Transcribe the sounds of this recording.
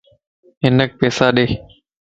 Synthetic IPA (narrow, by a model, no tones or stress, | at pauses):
ɦɪnək̚peːsaːɗeː